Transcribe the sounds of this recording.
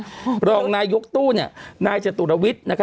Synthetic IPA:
ɾɔː˧ŋnaː˧jːo˦˥k̚t̪uː˥˩ni˥˩ɐnaː˧jt͡ɕa˨˩t̪t̪̚a˧wi˦˥t̪̚na˦˥kʰ

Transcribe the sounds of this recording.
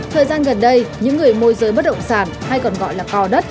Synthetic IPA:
t̪ʰəː˨˩jzaː˧nɣə˨˩nɗə˧jɲɨ̰˧˥ŋːɨ˨˩əjmo˧jzəː˨˦jɓə˦˥t̚ɗə̰˧˨wŋ͡msaː˧˩nha˧jkɔ˨˩nɣɔ̰˧˨jlaː˨˩kɔ˧ɗə˦˥t̚

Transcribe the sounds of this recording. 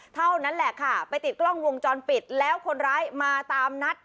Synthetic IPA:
t̪ʰa˥˩wna˦˥nlɛ˨˩kʰa˥˩pa˧jt̪i˨˩t̪̚klɔ˥˩ŋwo˧ŋt͡ɕɔː˧npi˨˩t̪̚lɛː˦˥wkʰo˧nɾaː˦˥jmaː˧t̪aː˧mna˦˥t̪̚

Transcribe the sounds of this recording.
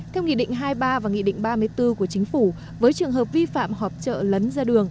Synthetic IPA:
t̪ʰɛ˧wŋḭ˧˨ɗḭ̈˧˨ŋ̟ɦaː˧jɓaː˧vaː˨˩ŋḭ˧˨ɗḭ˧˨ŋ̟ɓaː˧mɨ˧əjt̪ɨ˧ku˧˩ət͡ɕï˨˦ŋ̟fu˧˩ | vəː˨˦jt͡ɕɨ˨˩əŋɦəː˨˩p̚vi˧fa̰ː˧˨mɦɔ˨˩p̚t͡ɕə̰ː˧˨lə˨˦nzaː˧ɗɨ˨˩əŋ

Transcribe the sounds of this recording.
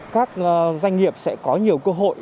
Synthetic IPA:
kaː˦˥k̚ːzwa˧jŋ̟ŋi˨˩əp̚sɛ̰˧˥kɔ˨˦ɲi˨˩əwkəː˧ɦo̰˧˨j

